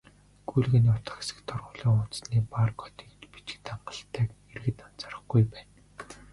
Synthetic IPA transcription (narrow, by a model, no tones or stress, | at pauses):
ɡ̥ujɮɣɘ̆nʊt̪ə̥̆χe̥sɘ̆kt̪ʰɔrʁʊːɮiːŋʊnt̪sniːpaːrɡɔ̥t̪iːkt̪pi̥t͡ɕɡɘ̆t̪aɴɢə̥̆ɬt̪ʰæːkerɣɘ̆t̪an̥t͡sarə̆χɡujpæːn